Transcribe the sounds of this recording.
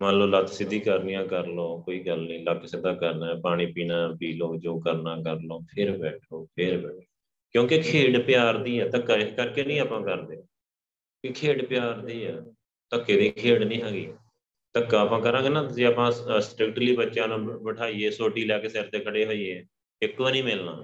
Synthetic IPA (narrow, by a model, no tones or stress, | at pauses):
mə̃nloːlət̪sɪd̪iːkəɾnĩːãːkəɾloːkoːiːɡəlnĩːləkːsɪd̪aːkəɾnaːpaːɽ̃ĩːpiːnaːpiːloːd͡ʒoːkəɾnaːkəɾloːpʰɪɾbɛːʈʰoːpʰɪɾbɛːʈʰo | kjõːkekʰeːɽpɪjaːɾd̪iːɛːt̪əkːaɪkəɾkeːnĩːaːpãːkəɾd̪eː | ikʰeːɽpɪjaːɾd̪iːɛː | t̪əkːeːd̪iːkʰeːɽnĩːɦɛːɡiː | t̪əkːaːpãːkəɾãːɡeːnãːt̪ʊsiːaːpãːsʈɾɪk̚ʈliːbətːʃãːnãːbəʈʰaːiːeːsoːʈiːlɛːkesɛːɾt̪eːkʰəɽeːɦoːiːeː | ɪkːõːnĩːmɪlna̰ː